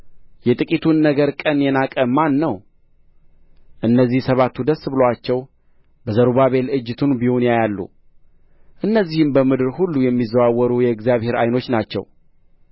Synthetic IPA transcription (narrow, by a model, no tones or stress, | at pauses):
jɛt̪ʼɨkʼit̪ʰunːəɡəɾkʼənjɛnakʼəmːanːəw | ʔɨnːəzːihsəβat̪ʰːud̪əsbɨlowat͡ʃːɛw | bəzəɾuβaβe̞lɨd͡ʒːɨt̪ʰunbihonjajalːṵ | ʔɨnːəzːihɨmbəmɨd̪ɨɾhulːujɛmːizːəwawːɔɾujɛɨɡzjaβhe̞ɾa̰jno̞t͡ʃːnat͡ʃːɛ̰w